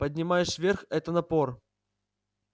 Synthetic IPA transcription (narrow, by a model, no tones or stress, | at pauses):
pədʲnʲɪmajɪʂvʲerxɛt̪ənɐpor